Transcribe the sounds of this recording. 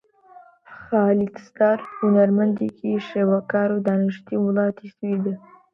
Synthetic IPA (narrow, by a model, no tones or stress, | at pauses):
xɑlik̪st̪ɑɾhʊnaɾmand̪ikʰiʃewakɑɾod̪ɑnɪʂt̪imlɑt̪iswid̪ə